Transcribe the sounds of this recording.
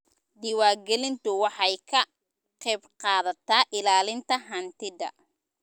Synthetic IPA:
d̪ɪwaːrɡɛlɪnt̪ʰʊwɑħɑjkʰɐ | qɛjbqɑːðɐt̪ʰaːʔɪlaːlɪnt̪ʰɐɦɐnt̪ʰɪd̪ɐ̰

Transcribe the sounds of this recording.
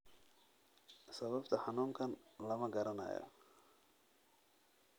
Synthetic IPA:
sɐβɐbt̪ʰɐħɑnuːmkʰɐnlɐmɐɡɐɾɐnɐ̰ːjɔ̰

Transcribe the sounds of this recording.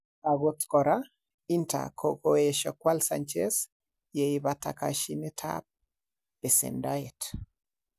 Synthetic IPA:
aɡot̪kɔɾa | inta̰kʰokoeʃɔkwalsa̰nt͡ʃḛs | jeibata̰kaʃinɪtʰa̰p̚ | b̥ɛsɛ̰ndaɛt

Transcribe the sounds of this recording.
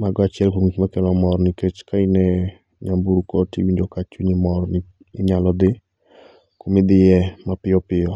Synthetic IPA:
maɡɔat͡ʃɛlkoŋit͡ʃmakɛnɔmɔɾnɪket͡ʃkainɛ | ɲambuɾkotiwiɲd͡ʒokat͡ʃuɲimɔɾnɪ | ɪɲalɔd̪ɪ | komɪd̪ɪjɛmapɪɔpɪjɔ

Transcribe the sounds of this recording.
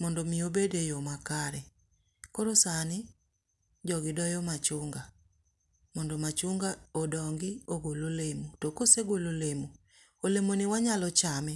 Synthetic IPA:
mɔndomiobedejomakaɾɛ | koɾosani | d͡ʒɔɣidɔjɔmat͡ʃuŋɡa | mɔndomat͡ʃuŋɡaodɔŋɡioɣololemutokoseɡololemu | olemonɪwaɲalɔt͡ʃamɛ

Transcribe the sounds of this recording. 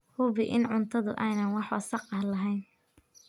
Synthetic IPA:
hʊβɪʔɪnʕʊnt̪ʰɐðʊ̰ʔɛjnɐnwɑħɐsɑqɐhlɐɦɛjn

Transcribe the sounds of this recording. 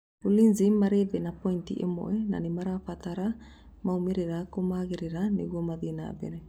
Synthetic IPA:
ulinzimːaɾebenapoint̪ḭʔemo̰ʔena̰nimaɾafat̪aɾa | maumeɾeɾakomaɡeɾeɾanḛɡuomad̪ina̰bḛɾe

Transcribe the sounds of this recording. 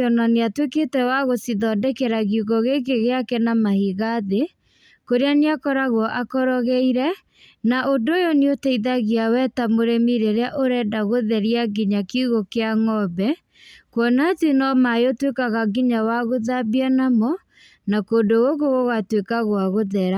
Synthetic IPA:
ɔnaneatwekeːtɛwaɣosiðɔdɛkɛɾaɣiuɣɔɣeɣeɣeakɛnamahiɣaðe | koɾeaneakɔɾaɣwɔʔakɔɾɔɣɛiɾɛ | naʔondoːjɔneotɛiðaɣiawɛtamoɾemiɾeɾeaʔoɾɛːdaɣoðɛɾiaɡiɲakeuɣokeaŋɔbɛ | kwɔnatenɔmaotwekaɣaɡiɲawaɣoðabianamɔ | nakoːdoɣoɣoɣɔɣatwekaɣwaɣoðɛɾa

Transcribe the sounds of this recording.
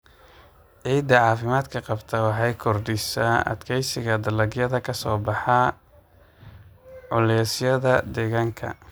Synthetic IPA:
ʕiːd̪ɐʕɑːfɪmaːd̪kʰɐqɑbt̪ʰɐwɑħɑjkʰɔrd̪ɪsaʔɐ̰d̪kʰɛjsɪɣɐd̪ɐlɐɡjɐðɐkʰɐsɔːbɑħɑ | ɔlɛːsjɐðɐd̪ɛɣaːŋkʰɐ̰

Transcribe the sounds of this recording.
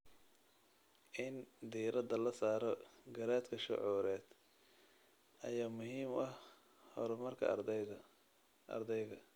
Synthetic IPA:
ʔɪnd̪iːɾɐd̪ɐlɐsaːɾɔɡɐɾaːd̪kʰɐʃɔ̰ʕuːɾɛːd̪ | ʔɐjaːmʊɦiːmɐh | hɔ̰ɾɔmɐrkʰɐ̰ | ɐ̰rd̪ɛjɣɐ

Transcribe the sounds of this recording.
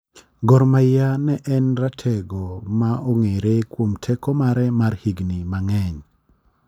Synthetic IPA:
ɡɔɾmajanɛʔɛnɾatʰɛɡɔmaʔoŋeɾekwomtʰɛkɔmaɾɛmarhiɡnimaŋɛɲ

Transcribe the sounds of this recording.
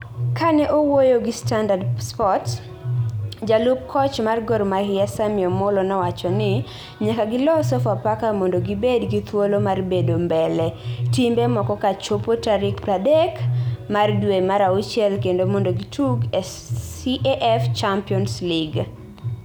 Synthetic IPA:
kanɛʔowojoɡɪstandadspɔt | d͡ʒalʊp̚kʰɔt͡ʃmarɡɔrmahɪɛsamɪɔmolɔnɛwat͡ʃɔnɪ | ɲakaɡɪlɔsɔfapakamɔndoɡɪbedɡit̪wolomarbedombɛlɛtimbɛmɔkɔkat͡ʃopotaɾɪkpɾadɛkmardwemaɾaut͡ʃjɛlkendomɔndoɡitʰuɡɛ | iʔʔɛft͡ʃampiɔnslɪɡ

